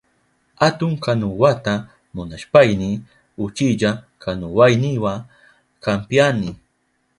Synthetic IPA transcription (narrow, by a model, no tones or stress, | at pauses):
hat̪ʊŋkanʊwat̪a | mʊnaʃpajnɪ | ʊt͡ʃiʎa | kʰanʊwajnɪwa | kampjanɪ